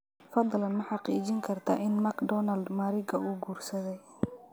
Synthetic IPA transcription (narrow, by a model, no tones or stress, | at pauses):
fɑd̪lɐnmɐħɑqiːt͡ʃɪŋkʰɐrt̪ʰɐ̰ʔɪnmɐkd̪ɔnɐld̪mɐːɾɪɡɐuːɡuːrsɐðɛj